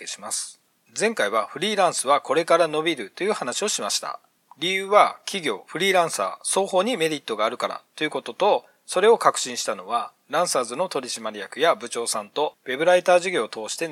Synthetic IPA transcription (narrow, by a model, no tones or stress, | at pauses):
eɕi̥masɨ̥ | zẽ̞ŋkaiβaɸɯ̟ɾʲiːɾãɰ̃sɨβako̞ɾe̞kaɾano̞bʲiɾɯ̟t̪o̞jɯ̟ːhanaɕio̞ɕimaɕi̥t̪a̰ | ɾʲijɯ̟ːβakʲiɡʲo̞̰ːɸɯ̟ɾʲiːɾãɰ̃sa̰ːso̞ːho̞ːɲ̟ime̞ɾʲit̪ːo̞ɡaːɾɯ̟kaɾa̰t̪o̞jɯ̟ko̞t̪o̞t̪o̞ | so̞ɾe̞o̞kakɯ̟̥ɕĩɰ̃ɕi̥t̪ano̞βa | ɾãɰ̃saːzɨno̞t̪o̞ɾʲiɕimaɾʲijakɯ̟jabɯ̟t͡ɕo̞ːsãnt̪o̞we̞bɯ̟ɾait̪aːʑiɡʲo̞ːt̪o̞ːɕi̥t̪e̞